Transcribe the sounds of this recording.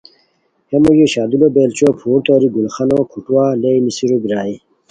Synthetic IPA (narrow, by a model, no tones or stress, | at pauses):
hemojoɕaːd̪ulobeːlt͡ɕoːpʰuːɾt̪oːɾiɡulxanokʰuʈwaːlejnisiɾobɾaːi